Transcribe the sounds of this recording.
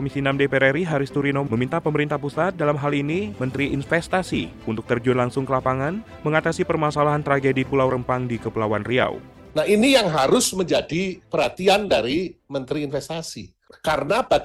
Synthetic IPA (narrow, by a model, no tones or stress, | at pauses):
omisinamdepeɾeɾiɦaɾɪst̪uɾinoməmint̪apəməɾint̪ahpusat̪̚dalamɦalinimənt̪ɾiʔːnfɛst̪asḭ | unt̪ʊk̚t̪ərd͡ʒʊnlaŋsʊŋkəlapaŋan | məŋat̪asipərmasalaɦant̪ɾaɡedipulawɾəmpaŋdikəpulawanria̰wnahinijaŋɦaɾʊsməɲd͡ʒadipəɾhat̪iandaɾimənt̪ɾiːnfɛst̪asi | kaɾənab̥a